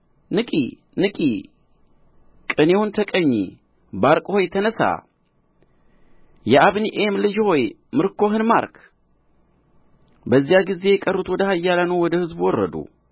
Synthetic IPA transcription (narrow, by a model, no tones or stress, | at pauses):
nɨkʼḭ | nɨkʼi | kʼɨnewunt̪ʰəkʼəɲːi | baɾkʼho̞jt̪ʰənəsa̰ | jɛʔaβniʔemlɨd͡ʒho̞j | mɨɾkʰo̞ɦɨnma̰ɾkʰ | bəzːijaɡize̞jɛkʼərːut̪wɔd̪əhajːalanəwwɔd̪əhɨzbwɔrːə̰d̪ṵ